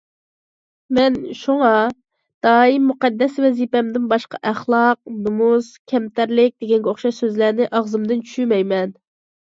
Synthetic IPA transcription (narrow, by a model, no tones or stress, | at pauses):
mɛnʃuŋɑ | d̪̥ɑːimːuqɛd̪ːɛsvɛzipɛmd̪ɪnbɑʃqɑʔæχlˠɑq̚numuz̥kʲʰɛmt̪ʰæɾlɪk̚ʲd̪̥eɡʲɛnɡʲɛoχʃɑʃsøzlæɾnɪʔɑʁzɨmd̪ɨnt͡ʃʰy̥ʃymɛjmɛn